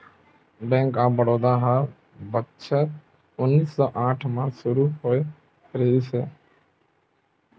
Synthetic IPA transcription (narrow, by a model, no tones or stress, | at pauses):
bɛ̃ːŋkaːbəɽoːd̪aːɦa | bətːt͡ʃʰət̪ | ʊnːiːsːɔːʔãːʈʰmãsʊɾuːɦoːe | ɾeːd̪iseː